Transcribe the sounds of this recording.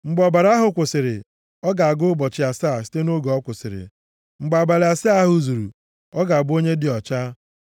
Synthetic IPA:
ŋ͡m̩˨ɡ͡bɔ˨ba˨ɾa˦ɦʊ˨kʷʊ˨sɪ˨ɾɪ̰˨ | ɔ˦ɡa˨a˨ɡʊ˦ʊ˦bɔ˨t͡ʃɪ˨a˨sa˦˨si̥˦te˦no˦ɡo˨ɔ˦kʷʊ˨sɪ̰˨ɾɪ̰˨ | ŋ͡m̩˨ɡ͡ba˨ba˨lɪ˨a˨sa˦ɦʊ˦zu˨ɾṵ˨ | ɔ˦ɡa˨a˨bo˦ɲe˦dɪ˨ɔ˨t͡ʃa˦

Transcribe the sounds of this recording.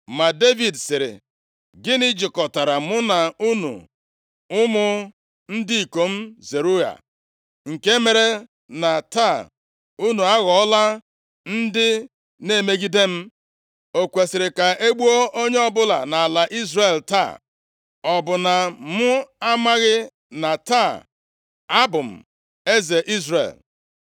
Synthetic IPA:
ma˨de˦vi˨dsɪ˨ɾɪ̰˨ | ɡɪ˦nɪ˦d͡ʒɪ˨kɔ˨ta˨ɾa˨mʊ˦na˨u˦nṵ˨ | ʊ˦mʊ˦ | n̩˦dɪ˦i˨ko˨m̩˦ze˨ɾu˦ja̰˨ | ŋ̩˨ke˦me˨ɾe˦ | na˨ta˦˨ | u˦nu˨a˦ɣɔ˨ɔ˦la˦ | n̩˦dɪ˦ | ne˦˨me˦ɡi˦de˦m̩˦ | o˨kʷe˨sɪ˨ɾɪ˨ka˨ʔe˦ɡ͡bu˦o˦ʔo˦ɲe˦ɔ˦bʊ˦la̰˨na˨la˨ʔi˦zre˨lta̰˦˨ | ɔ˨bʊ˨na˨mʊ˦a˦ma˦ɣɪ˦ | na˨ta˦˨ | a˦bʊ˨m̩˨ | e˦ze˨ʔi˦zrḛ˨l

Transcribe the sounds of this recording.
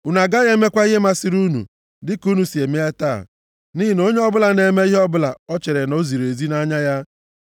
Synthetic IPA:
ʊ˨na˨ɡa˦ɣe˦me˦kʷa˦i˦ɦe˦ma˦si˨ɾu˦nṵ˨ | dɪ˦ku˦nu˨si˨e˨me˦e˦ta̰ː˦˨ | ni˦i˨n˦o˦ɲe˦ɔ˦bʊ˦la˨ne˨me˦i˦ɦɔ˦bʊ˦la̰˨ɔ˦t͡ʃe˨ɾe˨no˦zi˨ɾe˨zi˦na˦ɲa˦ja˦

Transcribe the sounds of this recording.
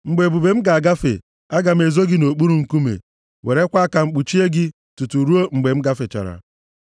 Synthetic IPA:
ŋ͡m̩˨ɡ͡be˨bu˨be˨m̩˦ɡa˨a˨ɡa˦fḛ˨ | a˦ɡa˨m̩˦e˨zo˦ɡɪ˦no˨k͡pu˦ɾu˨ŋ̩˨ku˦mḛ˨ | wʔe˨ɾe˦kʷa˦ka˨ŋ͡m̩˨k͡pu˨t͡ʃi˦e˦ɡɪ˦ | tu˨tu˨ɾu˦o˦ŋ͡m̩˨ɡ͡be˨m̩˦ɡa˦fe˨t͡ʃa̰˨ɾa̰˨

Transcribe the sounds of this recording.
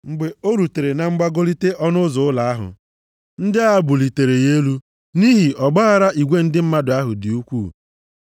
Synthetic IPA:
ŋ͡m̩˨ɡ͡be˨o˦ɾu˨te˨ɾe˨na˦ŋ͡m̩˦ɡ͡ba˦ɡo˦li˦te˦ʔɔ˦nʊ˦zʊ˨ʊ˦la˨a˦ɦʊ̰˨ | n̩˦dɪ˦a˦bʊ˨li˨te˨ɾe˨je˦lu˦ | ni˦ɦi˨ʔɔ˨ɡ͡ba˦ɣa˦ɾa˦i˨ɡʷe˦n̩˦dɪ˦m̩˦ma˦dʊ˨a˦ɦʊ˨dɪ˨u˦kʷuː˦˨

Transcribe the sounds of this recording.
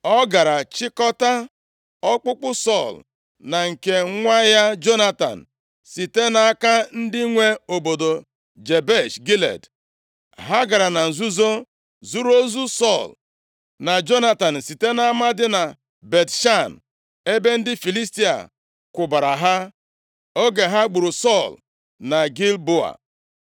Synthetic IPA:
ɔ˦ɡa˨ɾa˨t͡ʃɪ˦kɔ˦ta˦ | ɔ˦k͡pʊ˦k͡pʊ˦sɔ˦˨l | na˨ŋ̩˨ke˨˦ŋʷa˦ja˦d͡ʒo˦na˦ta̰˨n̩˨ | si˨te˦na˨a˦ka˦n̩˦dɪ˦ŋʷe˦o˨bo˨do˨ | d͡ʒe˨be˦˨ʃɡi˦lḛ˨d | ɦa˦ɡa˨ɾa˨na˨n̩˨zu˦zo˦ | zu˦ɾo˦zu˦sɔ˦˨l | na˨d͡ʒo˦na˦ta˨n̩˨si˨te˦na˦a˦ma˦dɪ˦na˨ | be˨tʃa˦˨n | e˦be˦n̩˦dɪ˦fi˨li˦sti˦a̰˨ | kʷʊ˨ba˨ɾa˨ɦa˦ | o˦ɡe˨ɦa˦ɡ͡bu˨ɾu˨sɔ˦˨l | na˨ɡi˦lbo˦a̰˨

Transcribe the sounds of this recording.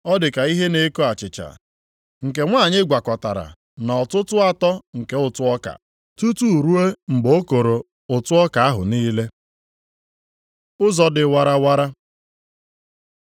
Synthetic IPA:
ɔ˦dɪ˨ka˨i˦ɦe˦ne˦ko˦a˨t͡ʃɪ˨t͡ʃa̰˨ | ŋ̩˨ke˨ŋʷaː˦˨ɲɪ˦ɡʷa˨kɔ˨ta˨ɾa̰˨ | nɔ˨tʊ˦tʊ˦a˨tɔ˦ŋ̩˨ke˦ʊ˦˨tʊ˦ɔ˦ka̰˨ | tu˦tu˦˨ɾu˦e˦ŋ͡m̩˨ɡ͡boo˦ko˨ɾo˨ | ʊ˨tʊ˦ɔ˦ka˨a˦ɦʊ̰˨niː˦le˦ | ʊ˦zɔ˨dɪ˨wa˦ɾa˦wa˦ɾa˦

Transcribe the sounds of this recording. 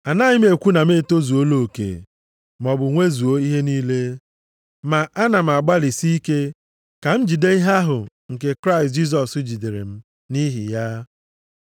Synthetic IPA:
a˨na˦ɲɪ˦m̩˦e˨kʷu˦na˨me˦˨to˦zu˨o˦lo˨o˨kḛ˨ | m̩˨ɔ˨bʊ˨ŋʷe˦zu˨o˦i˦ɦe˦niː˦le˦ | ma˨ʔa˦na˨m̩˨a˨ɡ͡ba˦li˨si˦i˦ke˦ | ka˨m̩˦d͡ʒi˨de˦i˦ɦa˦ɦʊ˨ | ŋ̩˨ke˨kɾa˦ɪ˨st̚d͡ʒi˦s̬ɔ˨sʊ˦d͡ʒi˨de˨ɾḛ˨m̩˦ | ni˦ɦḭ˨ja˦

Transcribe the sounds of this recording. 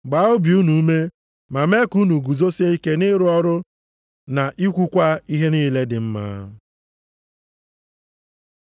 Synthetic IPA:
ɡ͡ba˨˦o˦bi˨u˦nu˨˦me˦ | ma˨me˦ku˦nu˨ɡu˨zo˦se˦i˦ke˦nɪ˦ɾʊ˦ɔ˦ɾʊ˦ | na˨ʔi˦kʷu˦kʷa˦i˦ɦe˦niː˦le˦dɪ˨m̩˦ma̰ː˦

